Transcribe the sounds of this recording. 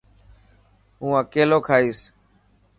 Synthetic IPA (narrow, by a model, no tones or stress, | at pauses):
ɦũːãːkeːloːkʰaːiːs